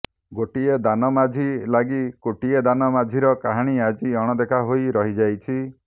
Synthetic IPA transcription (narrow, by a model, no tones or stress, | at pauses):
ɡoʈied̪anɔmad͡ʒʱilaɡikoʈied̪anɔmad͡ʒʱiɾɔkaɦaɽ̃iad͡ʒiɔɽ̃ɔd̪ekʰaɦoiɾɔɦid͡ʒajt͡ʃʰi